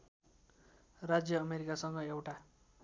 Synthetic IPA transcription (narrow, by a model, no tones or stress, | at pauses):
rad͡zjʌːmeɾikasʌŋɡʌewʈa